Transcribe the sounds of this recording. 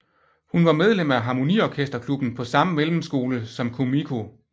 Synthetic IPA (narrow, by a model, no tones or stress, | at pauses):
hunʋɑ̈með̞ˠlem̰æɦɑ̈ːmo̝niɒkʰesd̥ɐkʰlub̥n̩pʰɒ̽sɑ̈məmelm̩sɡ̥o̝ːləsɒ̽mkʰomikʰo̝